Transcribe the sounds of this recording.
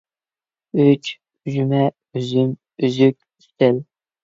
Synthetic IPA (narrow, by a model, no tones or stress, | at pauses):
yt͡ʃ | yʒymɛ | yzym | yzykʲist̪ɪl